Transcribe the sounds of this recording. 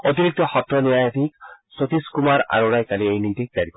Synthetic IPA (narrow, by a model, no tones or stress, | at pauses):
ot̪iɾik̚tɔxɔtɾɔnijajat̪iksot̪iskumaɾa̰ɹoɾajkaliejnitik̚d̪aɾikɔ